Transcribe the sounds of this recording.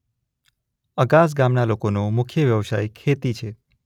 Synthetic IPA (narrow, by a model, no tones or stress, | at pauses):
əɡas̬ɡamnalokonomʊkʰjəʋjəʋsa̰jkʰet̪it͡ʃʰe